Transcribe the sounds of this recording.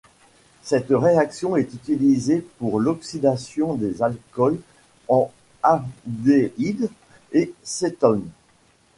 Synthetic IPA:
sɛt̪ʁeaksjɔ̃ɛt̪yt̪ilizepuʁlɔksid̪asjɔ̃d̪ezalkɔl | ɑ̃ | ad̪eid̪ | eset̪ɔn

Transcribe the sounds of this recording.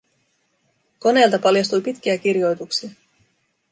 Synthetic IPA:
ko̞ne̞ːlt̪ɑpɑljɑst̪ujpit̪k̟iæk̟irjo̞jt̪uksiɑ

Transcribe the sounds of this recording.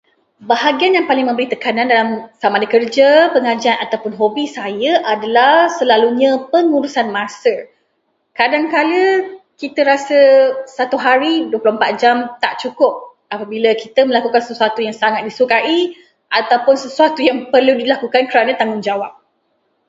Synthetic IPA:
baɦaɡianjaŋpalɪŋmə̃mbəɾit̪əkanandalamsamadəkərd͡ʒəpəŋad͡ʒianat̪awpʊnɦobisajəʔadalahsəlaluɲə̃pəŋuɾusanmasə | kadaŋkaləkit̪əɾasəsat̪uɦaɾiduəplompat̪̚d͡ʒamt̪aʔt͡ʃukʊp̚ | apabiləkit̪əməlakukansəsuat̪ujaŋsaŋat̪̚disukai | ʔat̪awpʊnsəsuat̪ujaŋpərludilakukankəɾanə̃t̪aŋʊŋd͡ʒawap̚

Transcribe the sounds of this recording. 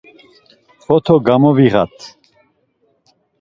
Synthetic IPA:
χɔt̪ʰɔɡamɔviʁa̰t̪ʰ

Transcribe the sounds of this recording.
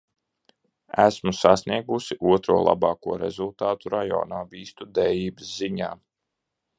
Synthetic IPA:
æsmusasniɛɡusiʔuɔt̪ɾuɔlˠa̰bɑːkuɔɾḛzulˠt̪aːt̪uɾajɔ̰ːnaːviːst̪ud̪ɛjiːbɨsziɲa̰ː

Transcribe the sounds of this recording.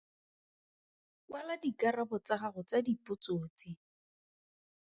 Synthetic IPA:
waladikarabʊt͡saχaχʊt͡sadipʊt͡soːt͡sɪ

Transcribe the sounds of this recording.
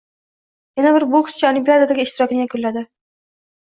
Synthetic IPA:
janabɪɾbʊkʰʊ̥st͡ʃʰaalɪmpʲiad̪ad̪aɡʲɪʃt̪ɪɾɒkʲɪnɪjakʰʊlːad̪ɪ

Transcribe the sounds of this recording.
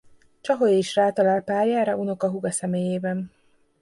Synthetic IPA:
t͡ʃɒɦojeiʃraːt̪ɒlaːlpaːrjaːɾɒʔuno̞kɒɦuɡɒsɛmeːjeːbɛn

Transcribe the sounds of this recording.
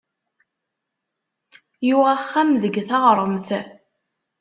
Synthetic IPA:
juʁaχːæmðəɡθɑʁɾˤəmθ

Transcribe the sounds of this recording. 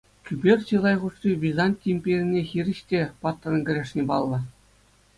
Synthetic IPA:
kʲybʲerʲt͡ɕɯlˠɑjʁuʂtʲibʲizɑnʲtʲːimʲpʲerʲɘnʲːexʲirʲɘ̆ɕtʲepɑt̪ːɤ̆nɡʲɘ̆ɾʲeʂnʲĕbɑ̰lˠːɤ̆

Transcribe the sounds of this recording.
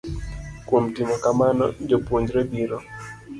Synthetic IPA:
kwomtimɔkamanɔ̰d͡ʒopoɲd͡ʒɾɛbiɾɔ

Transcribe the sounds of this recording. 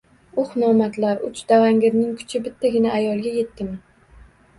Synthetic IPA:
ʊχnɒmat̪ʰlaɾʊt͡ʃd̪̥avaŋɡʲɪɾnɪŋkʰʊ̥t͡ʃʰɪbɪt̪ʰːaɡʲɪnaːjɒlˠɡʲaje̞t̪ːɪman

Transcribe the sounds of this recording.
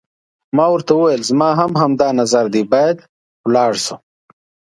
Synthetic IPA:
maːwɐɾt̪auwajelzmaːɦɐmɦɐmd̪aːnɐzɐɾd̪ibaːjɐd̪ | wlɑːɽsu

